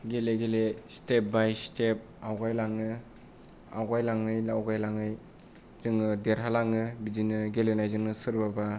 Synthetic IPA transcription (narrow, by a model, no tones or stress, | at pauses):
ɡeleɡelestep̚bajstʰep̚awɡajlaŋɯ | a̰wɡajlaŋnɯjlawɡajlaŋɯj | z̥ɯŋːɯdeɾhalaŋɯbid͡ʒinɯɡelenajzɯŋnɯsɯɾbaba